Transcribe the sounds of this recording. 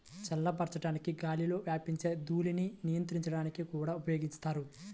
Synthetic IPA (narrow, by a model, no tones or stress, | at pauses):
t͡ʃɐlːɐpɐɾt͡ʃɐʈaːnikiɡaːlilo̞ːʋjaːpiɲt͡ʃe̞ːd̪uːlininijɐnt̪ɾiɲt͡ʃɐɽaːnikikuːɽaːupɐjo̞ːɡiɲst̪aːɾu